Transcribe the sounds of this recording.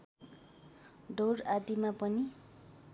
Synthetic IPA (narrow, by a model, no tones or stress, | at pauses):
ɖorad̪imapʌni